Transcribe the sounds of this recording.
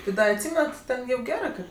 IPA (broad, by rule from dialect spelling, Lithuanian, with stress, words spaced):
tʲɪ ˈdɐ ɐtʲˈsʲiːmʲɛnɐt ˈtʲɛn ˈjɛʊ ˈɡʲæːrɜ ˈkɜ